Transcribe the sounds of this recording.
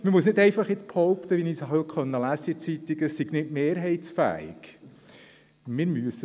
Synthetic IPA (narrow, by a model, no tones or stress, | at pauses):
məmusnɪdɛɪfɑχjɪt͡sphɔwpt̪əʋiniːsɦœkχœnːəlæsəit͡sit̪iɡəsiɡ̥nɪtmeːɾɦɛɪt̪sfæ̰ːɪ̰ɡ̥ | mɪɾmyəsə